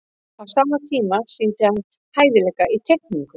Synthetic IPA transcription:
awsaːmːat̪ʰiːmasint̪ɪhan | haːjðɪlɛkaʔit̪ʰɛk̚niŋkʏ

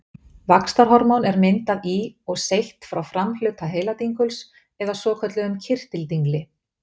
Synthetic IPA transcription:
vakst̪aɾ̥ɦɔɾmɔwnɛɾmɪnt̪aðiɔɣsejht̪fɾawfɾaml̥ʏːt̪ʰaɦeːjlat̪iŋkʰʏls | ɛðasɔːkʰœt̪lɪʏmcʰɪr̥t̪ɪlt̪iŋklɪ

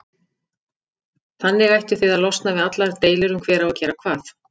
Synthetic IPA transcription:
θanːɪɣajht̪ʏθɪðaðlɔst̪navɪðat̪laɾt̪eːjlɪɾʏmkʰvɛːɾaacɛːɾakʰvaːθ

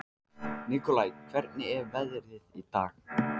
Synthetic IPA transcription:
nikɔlajkʰv̥ɛɾt̪nɪɛvvɛðɾɪðit̪aːx

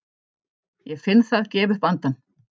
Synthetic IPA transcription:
jɛfɪnθaðcɛːvʏhpant̪an

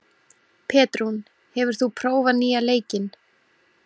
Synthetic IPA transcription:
pʰɛːt̪ɾun | hɛvʏɾ̥θupʰɾoːwvaniːaleːjcɪn

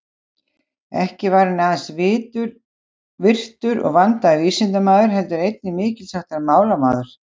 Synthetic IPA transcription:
ɛ̰hcɪvaɾɪnaːðansvɪːt̪ʏɾ | vɪr̥t̪ʏɾɔ̰ɣvant̪aðʏviːsɪnt̪amaːðʏɾ̥ɦɛlt̪ʏɾejt̪̚nɪmɪːcɪlsaht̪aɾmaːwlamaːðʏɾ̥

